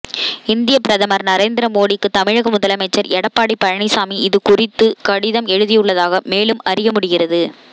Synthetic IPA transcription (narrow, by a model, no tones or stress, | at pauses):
ɪnd̪ɪjɐpɪɾɐðɐmɐɾnɐɾeːnd̪ɪɾɐmoːɽɪkːɯt̪ɐmɪɻɐɣɐmʊðɐlɐmɐɪt͡ʃːɐɾɛɽɐpːaːɽipɐɻɐɳɪsaːmiɪðɯkʊrɪt̪ːɯkɐɽɪðɐmɛɻɯðɪjɯɭːɐðaːɣɐmeːlɯmɐɾɪjɐmʊɽɪɣɪɾɐðɯ